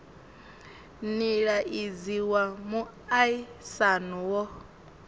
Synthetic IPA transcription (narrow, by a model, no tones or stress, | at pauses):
niɺaʔid͡ziwamu | aisanuwɔ